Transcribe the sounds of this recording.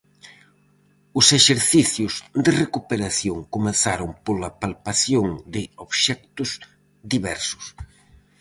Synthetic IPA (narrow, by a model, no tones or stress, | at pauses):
ʊseʃeɾθiθjʊzd̪erekupeɾaθjoŋkomẽnθaɾʊmpolapalpaθjoŋd̪ɪoβʃɛk̚t̪ʊz | d̪iβɛ̰ɾsʊ̥s